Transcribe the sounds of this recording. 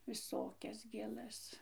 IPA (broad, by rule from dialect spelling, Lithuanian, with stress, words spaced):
ʋʲɪˈsoːkʲɛs ɡʲeːˈlˠɐs